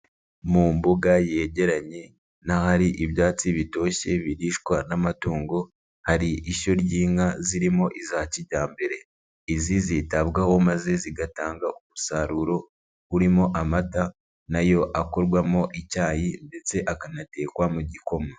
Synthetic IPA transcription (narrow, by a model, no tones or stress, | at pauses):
muːmbuɡaje̞ːɟe̞ɾaɲe̞ | nahaɾiʔiβjaːt͡siβito̞ːʃe̞βiɾiːʃkwanamatuːŋɡo̞ | haɾiiʃo̞ɾɟiːŋaziɾimo̞ʔizaciɟaːmbe̞ɾe̞ | izizitaβɡaho̞maze̞ziɡataːŋɡaumusaɾuɾo̞ | uɾimo̞ʔamata | najo̞ʔako̞ɾɡwamo̞ʔicaːjinde̞t͡se̞ʔakanate̞ːkwamuɟiko̞ma